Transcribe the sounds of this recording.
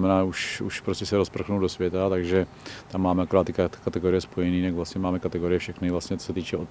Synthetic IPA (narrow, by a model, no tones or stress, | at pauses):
mɛnaːuʃuʃpɾoscɛsɛɾospɾr̩xnuwdo̞svjɛt̪at̪aɡʒɛ | t̪amːaːmɛʔakoɾaːt̪ːɪkkat̪ɛɡoɾɪjɛspojɛniːt̪aɡvlasɲɛmaːmɛkat̪ɛɡo̞ɾɪjɛfʃɛxnɪvlastɲɛt͡sosɛt̪iːt͡ʃɛo